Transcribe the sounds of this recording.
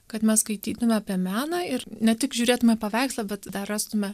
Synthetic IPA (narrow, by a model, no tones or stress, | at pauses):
kɐt̪mʲɛsskɐɪt̪ʲiːt̪ʊmʲɛɐpʲiɛmʲæːnɐɪɾnʲɛt̪ʲɪkʒʲuːɾʲeːt̪ʊmʲɛpɐʋʲæɪkslˠɐbʲɛt̪d̪ɐrɑːst̪ʊmʲɛ